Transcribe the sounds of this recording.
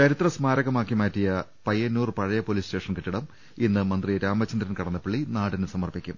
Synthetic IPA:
t͡ɕɐɾit̪rɐsmaːɾɐɣɐmaːkːimaːtːijɐpɐjːɐnːuːrpɐɻɐjɐpoliːste̞ːʂɐnkiʈːiɽɐm | inːɨmɐnd̪rijeɾaːmɐt͡ɕːɐnd̪ɾɐnkɐɽɐnːɐpiɭːinaːɽinsɐmɐrpikʲːum

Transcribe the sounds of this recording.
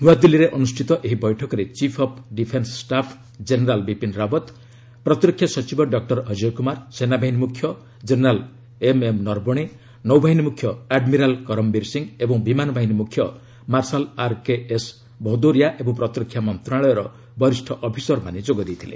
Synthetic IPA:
nuad̪ilːiɾeʔɔnusʈʰit̪ɔʔeɦibɔjʈʰɔkɔɾet͡ʃipʰɔpʰɖipʰenssʈapʰ | d͡ʒeneɾalbipinɾabɔt̪ | pɾɔt̪iɾɔkʰːjasɔt͡ʃibɔɖɔk̚ʈɔɾɦɔd͡ʒiɾkumaɾsenabaɦinimukʰjɔ | d͡ʒeneɾal | ememnɔɾbɔɽ̃e | nɔwbʱaɦinimukʰjɔaɖmiɾalkɔɾɔmbiɾsiŋebɔŋbimanɔbʱaɦinimukʰjɔ | maɾsalaɾkees | bʱɔd̪oɾijaʔebɔŋpɾɔt̪iɾɔkʰjamɔnt̪ɾaɭɔjɔɾɔ | bɔɾisʈʰɔʔɔpʰisɔɾpaned͡ʒoɡɔd̪ejt̪ʰilḛ

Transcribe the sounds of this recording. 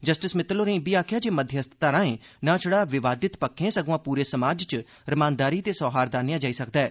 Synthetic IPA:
d͡ʒəsʈɪsmɪt̪ːloːɾə̃biːaːkʰjaːd͡ʒeːməd̪ʱjəəst̪ʰə̥t̪aːɾãːẽːnãːt͡ʃʰʊɽaːʋɪʋaːd̪ɪt̪pəkʰːẽːsəɡʋãːpuːɾeːsəmaːd͡ʒt͡ʃ | ɾəmãːnd̪aːɾiːt̪eːsɔːɦaːɾd̪aːnejãːd͡ʒaːiːsəkd̪aɛː

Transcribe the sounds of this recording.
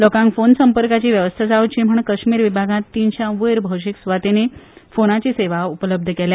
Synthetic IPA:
lɔkãŋkfonsəmpəɾkat͡ɕiːʋjəʋəst̪ʰad͡zaʋut͡ɕim̤əɳkəɕmiːɾʋibʱaɡãt̪ːint͡ɕjãʋəjɾbʱəwɕiksʋat̪enefonat͡ɕiːseʋaupələb̚d̪ʱəkela

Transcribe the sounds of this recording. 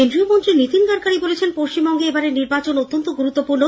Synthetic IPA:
end̪ɾiomont̪ɾiɾnit̪ind̪aɾkaɾibolet͡ɕʰenpoʃt͡ɕimbɔŋɡeebaɾeɾniɾbat͡ɕonot̪ːont̪oɡuɾut̪ːopuɾno

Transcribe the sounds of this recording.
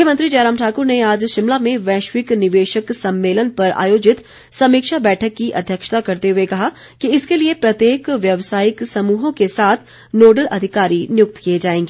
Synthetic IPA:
mʊkʰjəmə̃nt̪ɾid͡ʒeːɾaːmʈʰaːkʊɾneaːd͡ʒʃɪmlamẽʋɛ̃ːʃʋɪknɪʋeːʃəksɐ̃mːeːlənpɐɾa̰ːjoːd͡ʒɪt̪ | sɐmiːkʃabɛːʈʰəkːiʔɐ̰d̪ʱjəkʃə̥t̪akɐɾt̪eɦʊekɐɦa | kiɪskeliepɾɐt̪jeːkʋjɐʋsaːjɪksɐmuːɦõkesaːt̪ʰ | noːɖəlʔɐ̰d̪ʱɪkaːɾinjʊk̚t̪kijed͡ʒaːẽːŋɡeː

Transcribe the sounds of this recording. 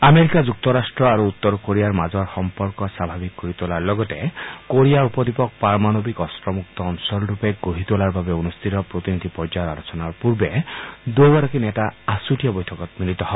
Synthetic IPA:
ameɾikad͡ʒuk̚t̪ɔɾasʈɾɔaɾuːt̪ːɔɾkoɾijaɾmad͡ʒɔɾxɔmpɔɾkɔsabʱabikkɔɾit̪olaɾlɔɡɔtekoɾijaɾupɔd̪ipɔk̚paɾɔmanɔbikɔsɾɔmuk̚t̪ɔːnsɔlɾupeɡoɦit̪olaɾbabeunust̪ʰit̪ɔpɾot̪inid̪ʱipɔɾd͡ʒaɾalɔt͡ʃɔnaɾpuɾbed̪ojbaɾɔkinetaasuʈijɔbɔjtʰɔkɔt̪milit̪ɔɦɔ

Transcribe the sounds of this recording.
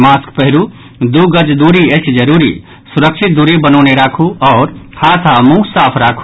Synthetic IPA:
maskpəɦɾu | d̪uɡəd͡ʒd̪uɾiət͡ʃʰd͡ʒəɾuɾḭ | suɾəkt͡ʃʰit̪̚d̪uɾibənɔːneɾakʰuɔːɾhʰat̪ʰamũkʰsapʰɾakʰ

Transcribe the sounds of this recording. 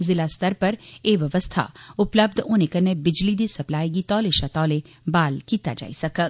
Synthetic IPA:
zɪlast̪əɾpɐɾeːʋjɐʋəst̪ʰa̰ʊpləb̚d̪ʱoːnekɐnebɪd͡ʒlid̪isɐplaːiɡit̪ɔːleʃat̪ɔːle | baːlkiːt̪a̰d͡ʒa̰ːisɐkək

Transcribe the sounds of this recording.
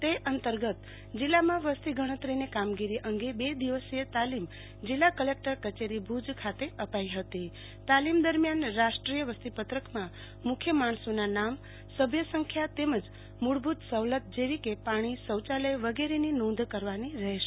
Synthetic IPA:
t̪eʔənt̪əɾɡət̪ | d͡ʒilːamãʋəst̪iɡʱəɽ̃ət̪ɾinikamɡiɾiʔəŋɡebed̪iʋəset̪alim | d͡ʒilːakəlek̚ʈəɾkət͡ʃeɾibʱud͡ʒkʰat̪eəpaiɦət̪i | t̪alimd̪əɾmjanɾaʃʈɾijəʋəst̪ipət̪ɾəkmã | mʊkʰjəmaɳ̃sonanam | səbʱjəsəŋkʰjat̪eməd͡ʒ | muɽbʱut̪səʋlət̪̚d͡ʒeɾikepaɽ̃isəwt͡ʃaləjʋəɡeɾeninõnd̪ʱkəɾʋaniɾəɦeʃe

